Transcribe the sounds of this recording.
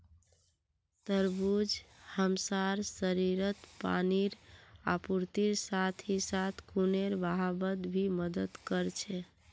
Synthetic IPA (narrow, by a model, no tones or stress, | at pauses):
t̪əɾbud͡ʒhəmsaɾsəɾiɾət̪pa̰niɾa̰puɾt̪iɾsat̪ʰisat̪ʰkuneɾbaɦabəd̪bʱiməd̪əd̪kəɾt͡ʃʰɛ